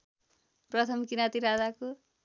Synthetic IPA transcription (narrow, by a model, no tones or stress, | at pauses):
prʌt̪ʰʌmkinat̪iɾad͡zako